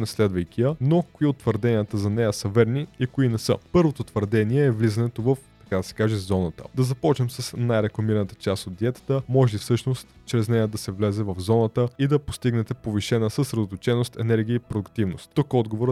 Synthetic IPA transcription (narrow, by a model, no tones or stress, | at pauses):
nɛslɛd̪vəjk̟ijənokoiot̪ːvəɾd̪ɛnijət̪əzɐnɛjəsəvɛɾniikoinɛsə̰pɤɾvot̪ot̪vəɾd̪ɛniɛːvlizɐnɛt̪ovəft̪ɐ̥kad̪ɐsɛ̥kaʒɛzɔnət̪ə̰d̪ɐzɐpɔt͡ʃnɛmsəsnajɾɛklˠɐmiɾənət̪ə̥t͡ʃast̪ot̪̚d̪iɛt̪ə̥t̪əmɔʒɛifsɤʃnost̪t͡ʃɾɛznɛjəd̪ɐsɛvlɛzɛvɐvzɔnət̪əid̪ɐpo̥st̪iɡnɛt̪ɛpoviʃɛnəsəsɾɛd̪ot̪ot͡ʃɛnost̪ɛnɛɾɡ̟ʲiəipɾod̪ʊkt̪ivnost̪t̪okɔd̪ɡovoɾ